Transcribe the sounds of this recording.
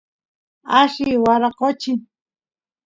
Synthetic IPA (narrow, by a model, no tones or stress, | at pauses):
aʃɪwaɾaqot͡ʃɪ